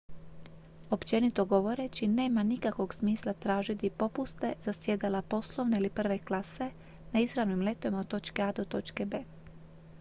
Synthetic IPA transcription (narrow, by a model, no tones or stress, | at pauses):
o̞pt͡ɕe̞nit̪o̞ɡo̞ʋo̞ɾe̞t͡ɕine̞ːmanikakʋo̞ɡsmiːslˠat̪ɾaːʒit̪ipo̞pust̪e̞zasje̞d̪alapo̞slˠo̞ʋneilipr̩ʋe̞klˠase̞ | naizɾaʋnimle̞t̪oʋimat̪o̞t͡ʃkead̪ot̪o̞t͡ʃkebeː